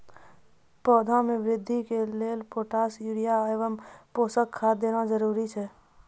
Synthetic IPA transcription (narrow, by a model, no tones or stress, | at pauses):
pɔːd̪ʱãmẽʋɾɪd̪ʱːikeleːlpoːʈaːsuɾijaeːʋəmpoːsəkʰːaːd̪eːnad͡ʒəɾuːɾit͡ʃʰɛ